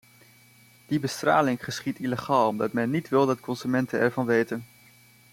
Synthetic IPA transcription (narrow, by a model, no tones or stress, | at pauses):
d̥ibəstra̰ːlɪŋχəsχitiləχaːlˠɔmdɑtmɛnːitʋɪlˠdɑtkɔnzymɛntənɛɹvɑnʋejtən